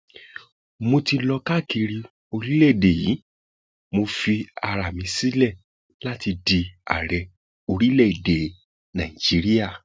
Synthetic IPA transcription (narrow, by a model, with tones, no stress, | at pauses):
mo˧ti˧lɔ˧ka˦˨ki˧ɾi˧ | o˧ɾi˦lɛ˦˨de˨ji˨˦ | mo˧fi˧a˨˧ɾa˨mĩ˧si˦lɛ˦˨ | la˦ti˧di˧a̰˨ɾɛ˨ | o˧ɾi˦lɛ˦˨i˨de˨ | nã˨ĩ˨d͡ʒi˨˦ɾi˦ja˦˨